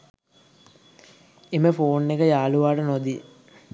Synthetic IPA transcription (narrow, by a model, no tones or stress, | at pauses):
eməfoːnːekəjaːluʋaːʈənod̪i